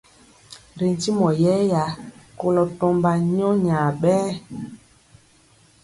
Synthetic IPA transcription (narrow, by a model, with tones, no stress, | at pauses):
ɾi˨n˨ti˦mɔ˨jɛ˦ja˨ko˦lɔ˨tɔ˦mba˨ɲɔ̃˦ɲaː˨ɓɛː˦